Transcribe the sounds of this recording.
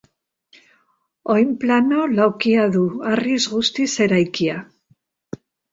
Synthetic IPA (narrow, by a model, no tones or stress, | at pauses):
ojmplanolawkiaðuarizɣust̪iseɾajkia